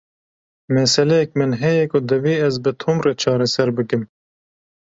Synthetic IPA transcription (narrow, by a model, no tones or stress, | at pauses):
mɛsɛlɛjɛk̚mɨnɦɛjɛkʊd̪ɨviːɛzbɨt̪ʰumreːt͡ʃʰɑːɾɛsɛɾbɨkɨm